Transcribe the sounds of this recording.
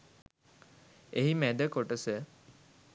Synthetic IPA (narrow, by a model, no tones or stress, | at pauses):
eɦimæd̪əkoʈəsə